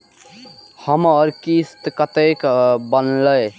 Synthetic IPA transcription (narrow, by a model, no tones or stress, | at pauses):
həməɾkist̪kət̪ekbənləj